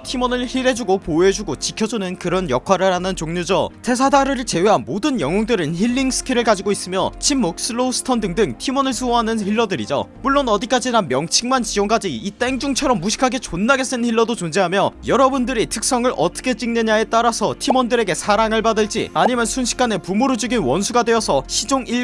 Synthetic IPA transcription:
tʰimʌnɯɭçiɾe̞d͡ʑuɡopoe̞d͡ʑuɡot͡ɕikʰjʌd͡ʑunɯnkɯɾʌnjʌkʰwaɾɯɾɦanɯnt͡ɕoŋɲud͡ʑʌtʰe̞s̬ʰadaɾɯɾɯɭt͡ɕe̞weɦanmodɯnjʌŋoŋdɯɾɯnçiɭːiŋs͈ʰɯ̥kʰiɾɯɭkad͡ʑiɡois͈ɯmjʌt͡ɕʰimːok̚s͈ɯɭousʰɯ̥tʰʌndɯŋdɯŋtʰimʌnɯɭs̬ʰuʌɦanɯnçiɭːʌdɯɾid͡ʑo̰muɭːonʌdik͈ad͡ʑinamjʌŋt͡ɕʰiŋmant͡ɕid͡ʑoŋk͈ad͡ʑiit͈e̞ŋd͡ʑuŋt͡ɕʰʌɾʌmːuɕʰi̥kʰaɡe̞t͡ɕonːaɡe̞s͈ɯnçiɭːʌdot͡ɕond͡ʑeɦamjʌjʌɾʌbundɯɾitʰɯk̚s͈ʌŋɯɾʔʌ̰t͈ʌ̥kʰe̞t͡ɕ͈iŋneɲae̞t͈aɾasʰʌtʰimʌndɯɾe̞ɡe̞sʰaɾaŋɯɭpadɯɭt͡ɕ͈ḭaɲimjʌnsʰunɕʰi̥k͈ane̞pumoɾod͡ʑuɡinwʌnsʰuɡadwe̞ʌsʰʌɕʰid͡ʑoŋi

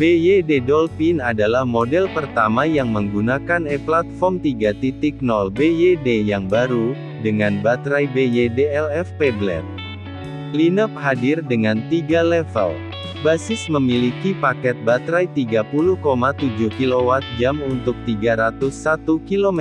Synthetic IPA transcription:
bejededɔlfinadalahmodɛlpərt̪amajaŋməŋɡunakanɛplat̪̚fɔmt̪iɡat̪it̪ik̚nɔlbejedejaŋbaɾu | dəŋanbat̪ɾajbejedeɛlɛfpɛblɛ̰n | linəp̚hadɪrdəŋant̪iɡalɛfə̰l | basɪsməmilikipakɛt̪̚bat̪ɾajt̪iɡapuluhkomat̪ud͡ʒuhkilowat̪̚d͡ʒamunt̪ʊk̚t̪iɡaɾat̪ʊsːat̪ukilom

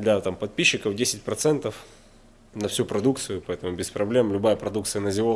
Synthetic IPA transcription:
d̪lʲɐt̪ampɐt̪̚pʲiɕːɪkəvdʲesʲɪt̚ʲpɾɐt̪sɛnt̪əf | nɐfsʲupɾɐd̪uk̚t̪sɨjʊpɐɛt̪əmʊbʲɪspɾɐblʲe̞mlʲʊbajəpɾɐd̪ukt̪sɨjənəzʲɪvo

